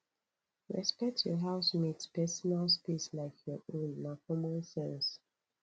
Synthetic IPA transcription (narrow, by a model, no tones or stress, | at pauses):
ɹɛ̰spɛk̚tʰjɔɦaʊsmitspɛsɔnalspislaɪkjɔʔõnːãfɔmãnsɛ̃ns